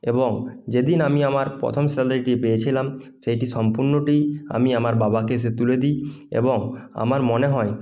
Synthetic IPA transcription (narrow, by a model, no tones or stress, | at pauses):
eboŋd͡ʑed̪inamiamaɾpɾo̰t̪ʰomselaɾiʈipejet͡ɕʰilam | ʃejʈiʃɔmpuɾnoʈia̰miamaɾbabakes̬et̪uled̪i | ḛboŋa̰maɾmoneɦɔe